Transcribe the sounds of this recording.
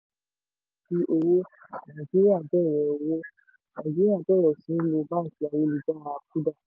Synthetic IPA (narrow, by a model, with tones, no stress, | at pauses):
bi˧ʔo˧wo˦ | nã˨d͡ʒi˦ɾi˦a˦˨bɛ˦˨ɾɛ˨o˨wo˦ | nã˨d͡ʒi˦ɾi˦a˦˨bɛ˦˨ɾɛ˨sĩ˨˦lo˧˦ba˦n̩˨ti˨˦a˨wo˧li˨da˦wã˧a˧k̚u˦da˦˨